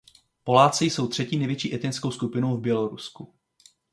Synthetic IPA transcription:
po̞laːt͡sɪjso̞wt̪r̥ɛciːnɛjvjɛt͡ʃiːʔɛt̪nɪnskowskupɪnowvbjɛlo̞ɾusku

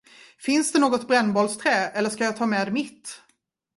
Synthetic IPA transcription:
fɪnsd̪ɛnoːɡɔt̪bɾɛnːbɔlst̪ʰɾɛːɛlːəʂkajɑːt̪ʰɑːmɛːd̪ɛmɪt̪ː

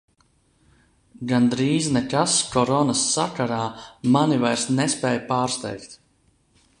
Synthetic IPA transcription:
ɡand̪ɾiːznɛkaskɔɾɔnasːakaɾaːmanivajɾsnɛspɛːjpaːɾst̪ɛjkt̪

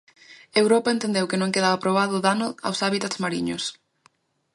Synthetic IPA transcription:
ewɾɔpaent̪ẽnd̪ewkɪnõŋkeð̞aβapɾoβaðʊðanʊa̰wsaβit̪at̪zmaɾiɲʊs

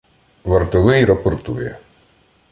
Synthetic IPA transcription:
ʋɐrt̪ɔʋɪjɾɔpɔrt̪ṵjɛ̰

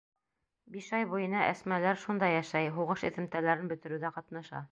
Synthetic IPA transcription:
biʃɑjbujɤ̆nɑʔæ̰smælæɾʃund̪ɑjæʃæjɦuʁɤʃɘ̆θɘ̆mt̪ælæɾɘnbɵ̆t̪ɘ̆ɾɘðæqɑt̪nɑʃɑ̰

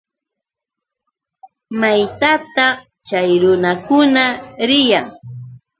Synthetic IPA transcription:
majt̪at̪ɑχ | t͡ʃajɾʊnakʊnaɾɪjaŋ

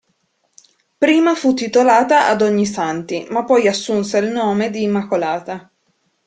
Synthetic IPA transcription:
pɾiːmafut̪ːit̪olaːt̪aʔad̪oɲːisant̪imapːɔjasːunselnoːmed̪iːmːakolaːt̪a

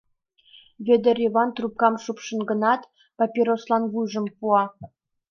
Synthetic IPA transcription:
vʲed̪erʲevɑnt̪rup̚kɑmʂupʂɤ̆nɡɤ̆nɑt̪ | pɑpʲiɾoslˠɑnvujʐə̆mpuɑ

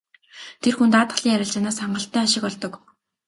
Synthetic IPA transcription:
t̪ʰerxunt̪at̪ə̥̆χɮiːŋæɾʲɪ̆ɬt͡ɕanaːsaɴɢə̆ɬt̪ːæːaʃɪ̆kpɔɮt̪ɞ̆k

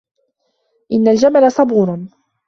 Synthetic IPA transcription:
ʔɪnːald͡ʒamalasˤɑbuːɾn

